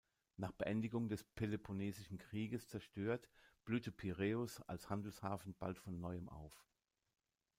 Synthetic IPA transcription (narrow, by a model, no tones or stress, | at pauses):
naːχb̥əʔɛndɪɡʊŋdɛspʰelepʰoneːzɪʃn̩kʁ̥iːɡəst͡sɛɐʃtøːɐtb̥lyːtəpʰiʁeːʊsa̰lshandl̩shaːfn̩b̥a̰ltfɔnːɔʏəmʔa̰ʊf